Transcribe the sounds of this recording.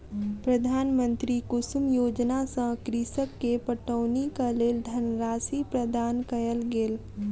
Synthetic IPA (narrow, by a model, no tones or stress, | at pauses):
pɾəd̪ʱaːnmə̃nt̪ɾikʊsumjoːd͡ʒnasə̃kɾisəkːepəʈəːnikaleːld̪ʱənɾaːsipɾəd̪ʱaːnkəjəlɡeːl